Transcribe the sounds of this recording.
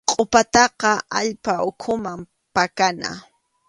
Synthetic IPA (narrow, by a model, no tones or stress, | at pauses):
qʼopat̪ɑqɑaʎpaʊkʰʊmam | pakana̰